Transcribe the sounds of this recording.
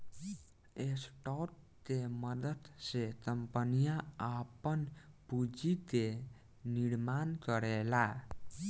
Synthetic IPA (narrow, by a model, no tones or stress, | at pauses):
esʈɔʈ̚ | t̪eməd̪əd̪sekəmpənijaapənpud͡ʒit̪e | niɽmankəɾela